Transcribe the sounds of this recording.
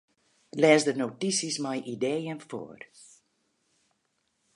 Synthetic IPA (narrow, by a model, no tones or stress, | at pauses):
lɛːzdənowtisismajʔidejənfo̰ːr